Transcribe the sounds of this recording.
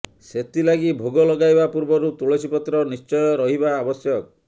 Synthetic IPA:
set̪ilaɡibʱoɡɔlɔɡajbapuɾbɔɾut̪uɭesipɔt̪ɾɔnist͡ʃɔjɔɾɔɦibaːbɔsjɔk̚

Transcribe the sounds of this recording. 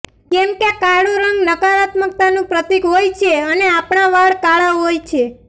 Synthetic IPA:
kɛmkekaɽuɾəŋɡləkaɾat̪mək̚t̪anũpɾət̪ikɦojt͡ʃʰeəneapɳaʋaɭkaɭaɦojt͡ʃʰe

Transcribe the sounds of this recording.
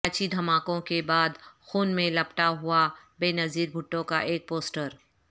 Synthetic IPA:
t͡ʃʰid̪ʱɐmaːkõkebaːd̪xuːnmẽlɐpʈaɦuabeːnɐziːɾbʱʊʈːõka̰ʔeːk̚poːsʈəɾ

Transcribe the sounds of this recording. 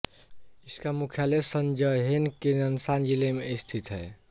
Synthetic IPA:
ɪskamukʰjalesənd͡ʒəɦenkenənsand͡ʒilemeɪst̪ʰit̪ɦɛ̰

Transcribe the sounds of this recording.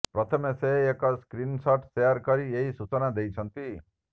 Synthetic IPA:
pɾɔt̪ʰɔmeseɦekɔskɾinsɔʈsejaɾkɔɾieɦisut͡ʃɔnad̪ejt͡ʃʰʌnt̪i

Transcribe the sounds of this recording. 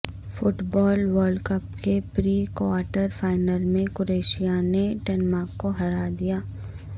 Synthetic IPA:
fʊʈbɔːlʋəɾɖkəpkepɾiːkwaːɾʈəɾfaːɪnəlmẽkʊɾeːʃijaneʈɛːnmaːkːoɦɐɾad̪ijaː

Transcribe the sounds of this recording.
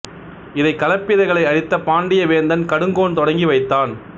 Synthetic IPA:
ɪðɐɪkɐlɐpːɪðɐɪɣɐɭɐɪɐɽɪt̪ːɐpaːɳɖɪjɐʋeːnd̪ɐnkɐɽɯŋɡoːnt̪ɔɽɐŋɡiʋɐɪt̪ːaːn

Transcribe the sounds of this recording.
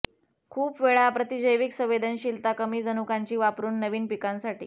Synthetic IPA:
kʰuːpʋeɭapɾət̪id͡ʑəjʋiksə̃ʋed̪ʱənɕilt̪akəmiːd͡zənukaɲt͡ɕiːʋapɾuːnːəʋiːnpikãnsaʈḭː

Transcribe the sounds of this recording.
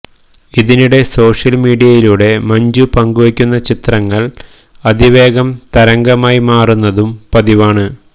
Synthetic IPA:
iðiniɽe̞so̞ːʂɐlmiːɽijɐjiluɽe̞mɐɲd͡ʑupɐŋɡuʋɐkʲːunːɐt͡ɕit̪rɐŋːɐɭ | ɐd̪iʋe̞ːɡɐmt̪ɐɾɐŋɡɐmaːjimaːrunːɐðumpɐðiʋaːɳɨ

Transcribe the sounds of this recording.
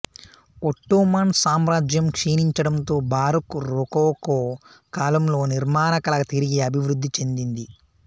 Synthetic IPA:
oʈːuːmaːnsaːmɾaːd͡ʒjɐmkʂeːniɲt͡ʃɐɽɐnt̪o̞ːbaːɾukuɾokoːko | kaːlɐmlo̞ːniɾmaːnɐkɐlɐɡɐt̪iɾiɡeːɐbʱiʋɾud̪ːit͡ʃe̞nd̪ind̪i

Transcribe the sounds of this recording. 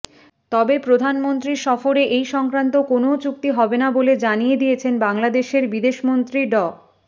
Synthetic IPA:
t̪ɔbepɾod̪ʱanmont̪ɾiɾʃɔfoɾeʔejʃɔŋkɾant̪okonot͡ɕuk̚t̪iɦɔbenaboled͡ʑanijed̪ijet͡ɕʰenbaŋlad̪eʃeɾbid̪eʃmont̪ɾiɖɔ

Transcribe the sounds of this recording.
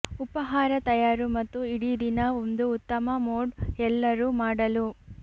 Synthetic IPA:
upɐɦaːɾɐt̪ɐjaːɾumɐt̪ːuiɽid̪inɐond̪uːt̪ːɐmɐmoːɖɛlːɐɾuːmaːɽɐlu

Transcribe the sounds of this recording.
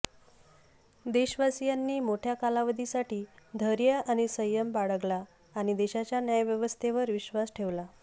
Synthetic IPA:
d̪eɕʋasijanːiːmoʈʰjakalaʋəd̪ʱisaʈiːd̪ʱəɾjəʔaɽ̃isəjəmbaɽəɡlaː | ɽ̃id̪eɕat͡ɕjanjajʋjəʋəst̪ʰeʋəɾʋiɕʋasʈʰeʋla

